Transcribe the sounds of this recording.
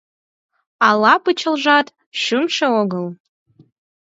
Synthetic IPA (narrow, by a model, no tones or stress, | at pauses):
alapʰʼɨt͡ʃʰɐlʒatʼ | ʃʊmʂawoɡɨl